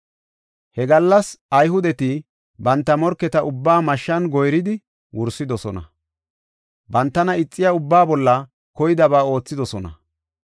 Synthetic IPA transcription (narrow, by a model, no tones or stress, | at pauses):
hɛɡɐlːɐsɐjɦʊd̪ɛt̪ɪ | bɐnt̪ːɐmɔɾkːɛt̪ɐʔʊbːaːmɐʃːɐnɡɔjɾɪd̪ɪ | wʊɾsːɪd̪ɔsɔnɐ̰ | bɐnt̪ːɐnɐɪt͡sʼːɪjaʊbːaːbɔlːɐ | kɔjɪd̪ɐbaːo̞ːt͡sːɪd̪ɔsɔnɐ̰